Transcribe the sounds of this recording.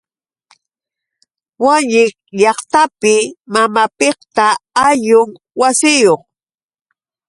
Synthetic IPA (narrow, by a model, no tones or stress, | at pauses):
waɲɪkʎɑχt̪apɪmamapekt̪aaʎʊŋ | wasɪjoχ